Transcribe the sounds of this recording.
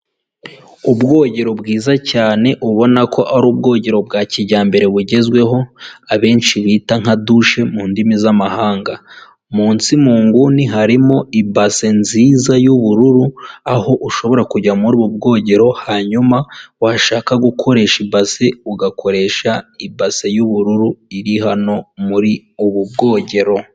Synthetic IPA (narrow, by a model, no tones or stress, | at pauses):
ubɡo̞ːɟe̞ɾo̞bɡiːzacaːne̞ʔuβo̞nakʰo̞ʔaɾuːb̚ɡo̞ːɟe̞ɾo̞bɡaːciɟaːmbe̞ɾe̞βuɟe̞zɡwe̞ɦo̞aβe̞ːnʃiβiːtaŋ̥aduʃe̞muːndimizamahaːŋɡa | muːnsimuːŋɡuniɦaɾimo̞ibase̞nziːzajuβuɾuɾuaho̞ʔuʃo̞βo̞ɾakuɟamuɾuːβubɡo̞ːɟe̞ɾo̞haɲumawaʃaːkaɡukʰo̞ɾe̞ːʃibase̞uɡakʰo̞ɾe̞ːʃaibasejuβuɾuɾuiɾiɦano̞muɾi | uβub̚ɡo̞ːɟe̞ɾo̞